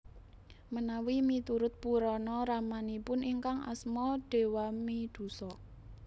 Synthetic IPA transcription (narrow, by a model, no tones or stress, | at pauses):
mənawimit̪uɾʊt̪̚puɾɔnɔɾamanipʊnʔiŋkaŋa̰smɔɖ̥e̤wamid̪̥ṳsɔ